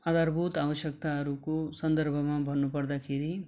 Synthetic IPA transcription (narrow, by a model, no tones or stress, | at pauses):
ɐd̪ɐɾbʱut̪aːʋɐʃjɐk̚t̪aɾukusɐ̃nd̪ɐɾbʱɐmãbʱɐnːupɐɽd̪akʰiɾi